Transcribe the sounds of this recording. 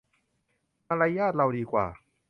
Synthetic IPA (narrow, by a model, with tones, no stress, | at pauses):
ma˧ɾaː˧˥jaː˥˩t̪̚ɾa˧wdiː˧kwa̰ː˨˩